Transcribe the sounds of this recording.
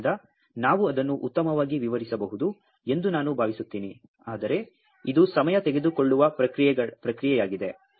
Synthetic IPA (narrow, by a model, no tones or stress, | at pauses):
d̪ɐ | naːʋuɐd̪ɐnːuʔut̪ːɐmɐʋaːɡiʋiʋɐɾisɐbɐɦud̪u | e̞nd̪unaːnubʱaːʋisut̪ːiːni | aːd̪ɐɾe̞ | id̪usɐmɐjɐt̪eɡe̞d̪uko̞ɭːuʋɐpɾɐkɾijɛɐpɾɐkɾijɛjaːɡid̪e̞